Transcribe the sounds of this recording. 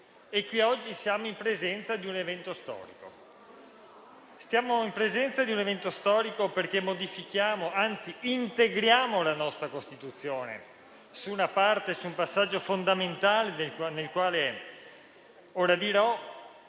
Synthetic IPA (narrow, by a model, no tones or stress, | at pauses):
ekːwiɔd͡ʒːisjaːmoimpɾezɛnt̪sad̪iunevɛnt̪ost̪ɔ̰ːɾḭko̰ | st̪jaːmoimpɾezɛnt̪sad̪iunevɛnt̪ost̪ɔːɾikoperkemːod̪ifikjaːmoant̪siint̪eɡɾjaːmolanɔst̪ɾakost̪it̪ut̪sːjoːnḛ | suːnapart̪esuːmpasːad͡ʒːofond̪ament̪aːled̪elkwanelkwaːle | oːɾad̪iɾɔ